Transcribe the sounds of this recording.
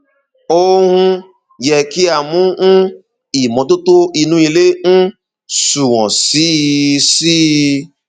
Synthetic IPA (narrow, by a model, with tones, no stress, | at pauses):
o˦hũ˦ | jɛ˨ki˦a˨mũ˦ | i˨mɔ̃˨˦to˦to˦i˨nũ˧i˨le˦n̩˦ | su˨w̃ɔ̃˨si˦si˦